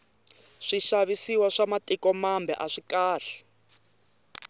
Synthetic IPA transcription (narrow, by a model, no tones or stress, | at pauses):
ʂiʃaβisiwaʂamatʼikɔmambʱɛ̰ʔaʂikaːɬɛ̥